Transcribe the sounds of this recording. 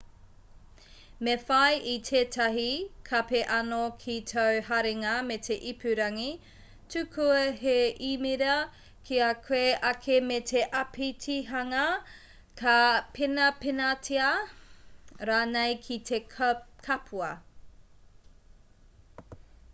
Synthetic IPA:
mefɐjʔitʰeːtʰɐɦikʰɐpeʔɐnokʰitʰɐwɦaɾeŋɐmetʰeʔipʰʉɾɐŋi | tʰʉkʰuɐheʔimiɾɐ | kʰiakʰweʔɐkʰemetʰeʔɐpʰitʰiɦɐŋɐ | kɐpenɐpenatʰia | ɾaːnejkʰitʰekkʰɐpʰuɐ

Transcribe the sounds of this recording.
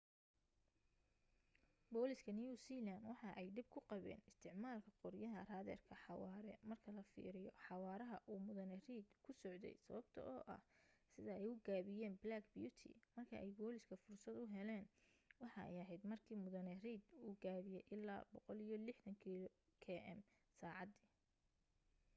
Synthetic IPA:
bɔːlɪskʰɐnijuːsiːlanwɑħɑʔɛjɖ̪ɪb̚kʰʊqɑβɛ̰ːnɪst̪ʰɪʕmaːlkʰɐqɔɾjɐɦɐraːðɛ̰rkʰɐħɑwɑːɾɛmɐrkʰɐlɐfḭːɾɪjɔħɑwɑːɾɐɦɐʔuːmʊðɐnɛriːd̪kʰʊsɔʕd̪ɛ̰jsɐ̰βɐbt̪ʰɐ̰ʔɔːʔɐ̰hsɪðɐɛjʊɡaːβɪjɛːnblaːkbjut̪ʰḭmɐrkʰɐ̰ʔɛjɡɔːlɪskʰɐfʊrsɐd̪ʊɦɛlɛːn | wɑħɑɛ̰jɐɦɛjd̪mɐrkʰiːmʊðɐnɛriːd̪uːɡaːβɪjɛjʔɪlːa̰ːbɔqɔlijɔlɪħd̪ɐŋkʰi | kʰɛːʔɛ̰m | saːʕɑd̪iː

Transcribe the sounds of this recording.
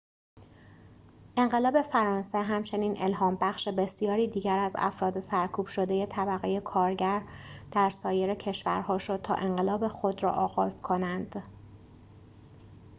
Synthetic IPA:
ʔe̞ŋɢe̞lɒːbe̞fæɾɒːnse̞ɦæmt͡ʃʰe̞niːnʔe̞lɦɒːmbæxʃe̞be̞sijɒːɾiːd̪iːɟæɾæzæ̰fɾɒːd̪e̞sæɾkʰuːb̥ʃo̞d̪e̞je̞t̪ʰæbæɣeje̞kʰɒːɾɟæɾd̪̥æɾsɒːje̞ɾecʰe̞ʃvæɾhɒːʃo̞d̪̚tʰɒ̰ːʔe̞ɴɢe̞lɒːbe̞xo̞d̪ɾɒ̰ːʔɒːɣɒːzkʰo̞nænd̪̥

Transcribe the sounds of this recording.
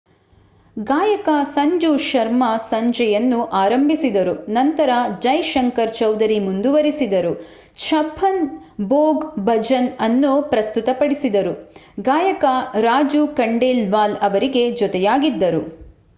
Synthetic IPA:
ɡaːjɐkɐsɐɲd͡ʒuʃɐɾmɐsɐɲd͡ʒɛjɐnːuʔaːɾɐmbʱisid̪ɐɾunɐnt̪ɐɾɐd͡ʒɐjʃɐŋkɐɾt͡ʃɐwd̪ɐɾimund̪uʋɐɾisid̪ɐɾu | t͡ʃʰɐpʰɐn | boːɡbɐd͡ʒɐnɐnːupɾɐst̪ut̪ɐpɐɽisid̪ɐɾuɡaːjɐkɐɾaːd͡ʒukɐɳɖeːlʋaːlɐʋɐɾiɡe̞d͡ʒɔt̪ɛjaːɡid̪ːɐɾu

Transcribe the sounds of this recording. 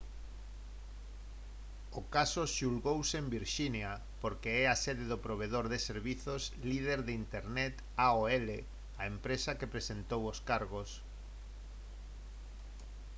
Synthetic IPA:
okasoʃulɣowsembiɾʃinja | poɾkeɛasɛðɪðopɾoβ̞eðoɾðeseɾβiθoslið̞eɾðeint̪eɾnɛt̪ | aoɛle | aempɾesakepɾesent̪owoskaɾɣos

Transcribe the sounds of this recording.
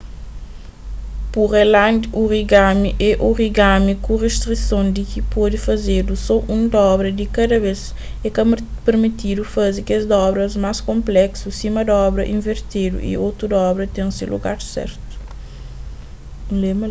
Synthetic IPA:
puʁelãnd̪uʁiɡamiʔeʔuʁiɡamikuʁest̪ɾisõnd̪ikipɔd̪ifɐzeɾdusɔʔũnd̪ɔbɾɐd̪ikɐd̪ɐbes | ekɐpeɾmit̪id̪ufazikezd̪ɔbɾɐzmaskõmplɛksusimɐd̪ɔbɾɐʔĩɱveɾt̪ed̪ṵʔḭot̪ɾud̪ɐɔbɾɐt̪ẽŋsilṵɡa̰ɾsɛ̰ɾt̪u̥ | lem

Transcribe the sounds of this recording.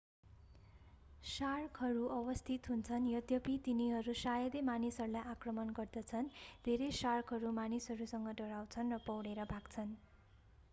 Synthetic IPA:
sarkʰɦʌɾuʔʌβʌst̪ʰit̪ɦunt͡sʰʌnjʌd̪jʌpit̪iniɦʌɾusajʌd̪emanisʌrulajʔakrʌmʌnɡʌrd̪ʌt͡sʰʌnd̪ʱeɾejsarkɦʌɾumanisʌɾusʌŋɡʌɖʌɽaw̃t͡sʰʌnrʌpʌwɽeɾʌbʱakt͡sʰʌn

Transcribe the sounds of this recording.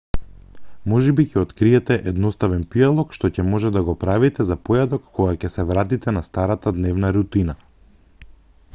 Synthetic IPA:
mɔʒɛbicɛɔt̪kɾiɛt̪ɛʔɛd̪nɔst̪avɛnpialˠɔkʃt̪ɔcɛmɔʒɛd̪aɡɔpɾavit̪ɛzapɔjad̪ɔkːoɡacɛsɛvɾat̪it̪ɛnast̪aɾat̪ad̪nɛvnaɾut̪ina

